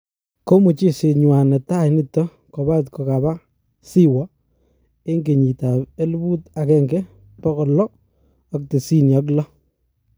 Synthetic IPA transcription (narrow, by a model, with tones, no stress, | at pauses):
ko˦mu˨t͡ʃi˦se˨ɲwa˨nɛ˨ta˦ni˦tːɔ˦ | kɔ˨ba˦tkɔ˨ka˨ba˦ | si˦wɔ˦ | e˦ŋɡe˨ɲi˨ta˨e˦lbu˦ta˨kɛ˦ŋɡɛ˦ | pɔ˦kɔ˨lɔ˦ | ɔ˨k̚te˨si˦njɔ˨˦k̬lɔ˦